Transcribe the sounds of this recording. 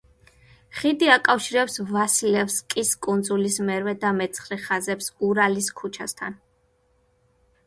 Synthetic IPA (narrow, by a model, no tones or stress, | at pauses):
χid̪iakʼafʃiɾɛpsvasilɛfskʼiskʼund̪zulismɛɾvɛd̪amɛt̪sʰχɾɛχazɛpsɡuɾaliskʰut͡ʃʰast̪ʰan